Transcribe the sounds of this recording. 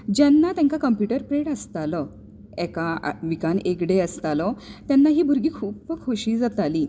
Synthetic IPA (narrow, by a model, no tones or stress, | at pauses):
d͡ʑanːat̪jãŋkakəmpjuʈəɾpɾeɽəst̪alə | ɛka̰ʋikanekɽeəst̪alət̪janːaɦiːbʱuɾɡiːkʰuːpəkʰoɕiːd͡zat̪aliː